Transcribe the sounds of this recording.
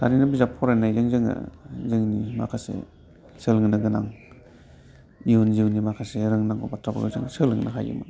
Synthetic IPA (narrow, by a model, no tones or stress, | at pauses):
taɾinabizapʰɔɾajnajzɯŋzɯŋa̰zɯŋnima̰kʰasḛ | səlŋnaɡɯnaŋ | iunziwnimakʰaseɾɯŋnaŋbabatʰɾaba̰ɾo̰zɯŋsɯlɯŋnaɦajṵma̰n